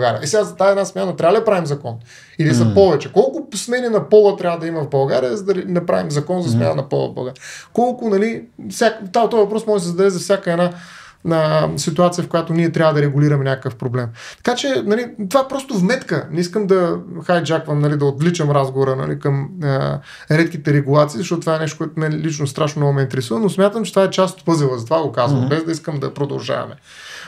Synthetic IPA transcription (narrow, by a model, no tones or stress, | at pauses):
ɡa̰ɾiə̰ʔɛsɛɡazɐt̪aɛd̪asmʲjanɐt̪ɾʲavəd̪ɐpɾavimzɐkɔn | ilizɐpɔvɛt͡ʃɛkɔlˠkʊsmɛninɐpɔlˠət̪ɾʲavəd̪ɐimɐvbɐlˠɡaɾijəzɐd̪ɐɾinɐpɾa̰vimzɐkɔnzɐsmʲja̰nə̰nɐpɔ̰lˠɐ̰vbɐ̰lˠɡaɾʲiəkɔlˠkʊnɐlifsʲakt̪at̪ɔvɐpɾɔsmɔʒɛsɛzɐd̪ɛvɛzɐfsʲjakəɛna | əsit̪uat̪sijəfkʊjat̪ʊniɛt̪ɾʲavəd̪ɐɾɛɡʊliɾɐmɛnʲakəkəfpɾoblɛmt̪ɐ̥kat͡ʃɛnɐlit̪ovapɾɔst̪ʊvmɛt̪kənɛiskəmd̪ɐxajd͡ʒakvəmnɐlid̪ɐot̪lit͡ʃəmɾazɡovoɾənɐ̰lḭkəmə | ɾɛt̪kit̪ɛɾɛɡulˠat̪siːzɐʃtɔt̪ot̪ovaɛnɛʃt̪okɔɛt̪ʊmɛlit͡ʃnost̪ɾaʃ̬nonɔɡʊmɛint̪ɛɾɛsuvənosmʲat̪əmt͡ʃɛt̪vaɛt͡ʃast̪o̥t̪pɤzivəzɐt̪ovaɡokazvɐmbɛzd̪ɐiskəmd̪ɐpɾod̪ɐ̰lˠʒa̰vɐ̰mɛ̰